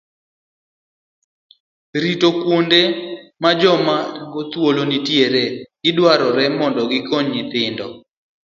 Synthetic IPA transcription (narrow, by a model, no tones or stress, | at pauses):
ɾitokwondemad͡ʒɔmaŋɡot̪wolonitjeɾeɡ̥ɪdwaɾɔɾɛmɔndɔɡɪkoɲɪt̪ɪndɔ